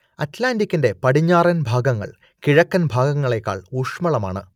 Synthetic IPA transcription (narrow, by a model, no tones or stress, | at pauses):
ɐtlaːndikʲːinde̞pɐɽiɲːaːrɐnbʱaːɡɐŋːɐ̰ɭ | kiɻɐkːɐnbʱaːɡɐŋːɐɭe̞kːa̰ːɭuʂmɐɭɐma̰ːɳɨ̰